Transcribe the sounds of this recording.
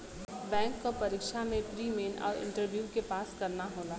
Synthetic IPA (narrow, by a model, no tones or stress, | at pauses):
bɛ̃ːŋkːopɐɾiːkʃamẽpɾiːmeːnɔ̰ːɾɪ̰̃ɳʈəɾʋjuːkepaːskɐɾnaɦoːlaː